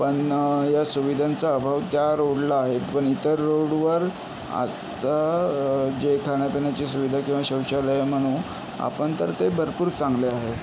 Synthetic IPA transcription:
pəɳjasuʋid̪ʱant͡saəbʱaʋt̪jaɾoɽlaːɦepəɳit̪əɾːoɽʋəɾ | a̰ | t̪a | d͡ʑekʰaɳ̃japinjat͡ɕisuʋid̪ʱakĩw̃ʋaɕəwɕaləjam̤əɽ̃un | a̰pəɳt̪əɾt̪ebʱəɾpuːɾt͡sãŋɡleaɦe

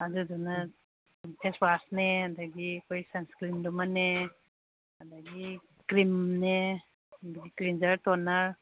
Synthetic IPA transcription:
ad͡ʒudɔna | pʰesbasneadaɡikɔjsanskɾimdɔmane | adaɡi | kɾimne | adaɡikɾind͡ʒaɾtɔnaɾ

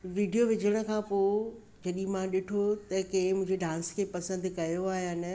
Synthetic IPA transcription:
ʋiːɖijoʋɪd͡ʑʱəɽ̃ə̆kʰãːpo | d͡ʑɐɗĩmãɗɪʈʰot̪ɐkɐɪ̃mʊ̃ɪ̃ɲd͡ʑeɖãːnskʰeːpɐsə̃nd̪kɐjoaːɦijaːnɐ

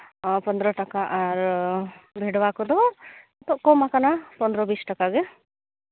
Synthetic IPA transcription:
pɔnd̪ɾɔʈakaʔaɾ | bʱeɽbakɔd̪ɔ | t̪ɔkɔmakanapɔnd̪ɾɔbisʈakaɡɛ

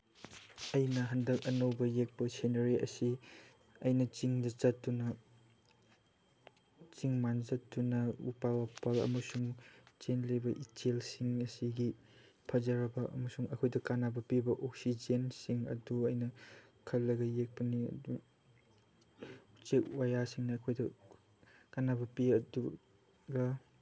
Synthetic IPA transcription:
ɐjnɐɦɐndɐkɐnɐwbɐjek̚pɐsenɐɾiʔɐ̰si | ɐjnɐt͡ʃiŋdɐt͡ʃɐt̚dunɐ | t͡ʃiŋmanzɐtdunɐupawapɐlɐ̰mɐsuŋt͡ʃenlɐjbɐʔitʰelsiŋɐsiɡi | pʰɐzɐɾɐbɐɐ̰mɐsuŋɐkʰojdɐkanabɐpibɐʔok̚sid͡ʒensiŋɐ̰duɐjnɐkʰɐlːɐɡɐjek̚pɐniɐ̰du | ut͡ʃek̚wajasiŋnɐːkʰojdɐ | kanabɐpiɐdu | ɡɐ

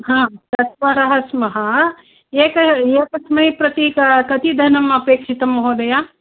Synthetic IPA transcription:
ɦãːt̪ɐt̪ʋɐɾɐɦɐsmɐɦɐ | eːkɐeːkɐsmɐjpɾɐt̪ikɐt̪id̪ʱɐnɐmɐpeːkʂit̪ɐmɦoːd̪ɐjaː

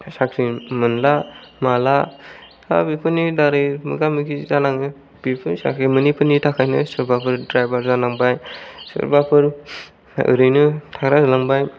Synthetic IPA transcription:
sakʰɾimɯnlamala | a̰bipʰɯnidaɾɯjmɯ̰ɡamɯkizanaŋnɯ | bipʰɯnsa̰kʰɾimɯnipʰɯnitʰakʰajnɯsɯɾbapʰɯɾdɾajbaɾzanaŋbajsɯ̰ɾbapʰɯɾ | ɯ̰ɾɯjnɯtʰaɾazlaŋbaj

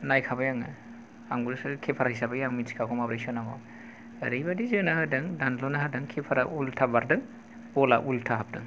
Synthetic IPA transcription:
najkʰabajaŋɯ | aŋɡuɾɯsɯkʰepʰaɾahisabajaŋminskʰakʰɔmapɾesɔnamɔ̰ | ɐ̰ɾɯjbadizɯnahɯdɯŋdanlɔnaɦadɯŋkʰepʰaɾaʔultʰabaɾdɯŋ | bɔla̰ʔultʰaɦap̚dɯŋ

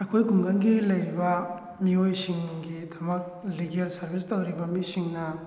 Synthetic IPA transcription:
ɐjkʰojkʰuŋɡɐnɡilɐjɾibɐ | miojsiŋɡidɐmɐk̚liɡelsɐɾbistɐwɾibɐmisiŋnɐ

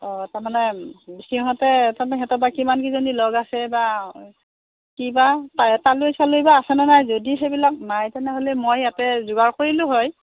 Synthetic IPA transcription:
ɔtaɹmanɛbisiɔɦɔtɛtamaɛɦɛtɔbakimankizonilɔɡasɛba | kibatataluesalojbaːsɛnɛnajzodixejbilak̚najtɛnɛɦolɛmojatɛzʊɡaɹkoɹilʊ̃ɦɔj

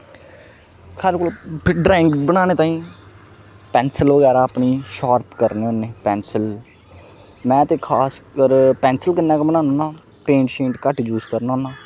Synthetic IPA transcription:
kʰəɾkolpʰɪɖɾaːɪ̃ŋɡbəɽaːñeːt̪ãːĩː | pɛ̃ːnsəlʋəɡɛːɾaːəpniːʃaːɾpkəɾneːoːnːeːpɛ̃ːnsəl | mɛ̃ːt̪eːkʰaːskəɾpɛ̃ːnsəlkənːaːkːbənaːnoːnaː | pẽːɳʈʃẽːɳʈkəʈd͡ʒuːzkəɾnaːnaː

